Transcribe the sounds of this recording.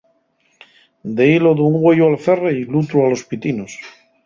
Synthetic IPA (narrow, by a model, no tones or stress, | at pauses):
d̪eiloðuŋɡweʎoalθereilut̪ɾualospit̪inos